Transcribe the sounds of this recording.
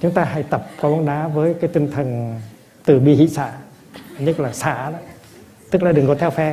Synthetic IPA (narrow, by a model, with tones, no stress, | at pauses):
t͡ɕʊ˨˦ŋ͡mt̪aː˧ha̰˧˩jt̪ə˨˩p̚kɔ˨˦ɓa˧˦ɗaː˨˦vəː˨˦jkaː˨˦jt̪ï˧˩ŋt̪ʰə˨˩ŋ | t̪ɨ˧˩ɓi˧˩hḭ˧˨sa̰ː˧˩ | ɲɨ˦˥laː˨˩sa̰ː˧˩na˧˦ | t̪ɨ˦˥k̚laː˨˩ɗɨ˨˩ŋkɔ˨˦t̪ʰɛ˧wfɛ˧